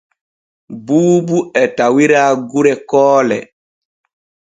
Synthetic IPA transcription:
buːbuɛtawiɾaːɡuɾɛkɔːlɛ̰

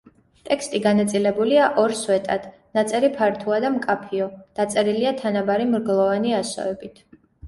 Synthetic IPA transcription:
t̪ʼɛkst̪ʼiɡanat̪sʼilɛbuliaʔɔɾswɛt̪ʼad̪̥ | nat̪sʼɛɾipʰaɾt̪ʰuad̪amkʼapʰiɔd̪̥at̪sʼɛɾiliat̪ʰanabaɾimɾɡlˠɔvaniasɔ̰vɛbit̪ʰ

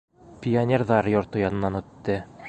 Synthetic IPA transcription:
pʲionʲerðɑɾjŏɾt̪ɤjɑnɤ̆nːɑnɵ̆t̪ːɘ

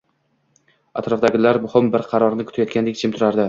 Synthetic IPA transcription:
at̪ɾɒfd̪aɡʲɪlaɾmʊhɪmbɪɾqʰɑɾɒɾnɪkʰʊ̥t̪ajɒt̪kʲand̪ekʲt͡ʃʰɪmt̪ʰʊɾaɾd̪ɪ

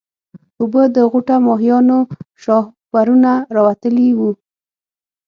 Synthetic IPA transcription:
ubəd̪əɣʊʈamɑɦijɑnoʃɑhwaɾunaɾɑwat̪əliwu

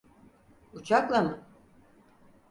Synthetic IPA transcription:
ut͡ʃʰaklˠamɯ

